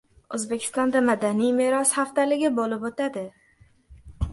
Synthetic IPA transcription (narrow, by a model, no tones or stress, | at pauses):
ɵzbe̞kʲʰɪ̥st̪ɒnd̪amad̪anijmeɾɒshaft̪alɪɡʲɪbolɪpot̪ʰad̪ɪ